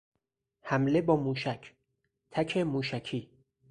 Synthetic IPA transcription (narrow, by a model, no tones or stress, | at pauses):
hæmle̞bɒːmuːʃæcʰ | t̪ʰæcʰemuːʃækʰiː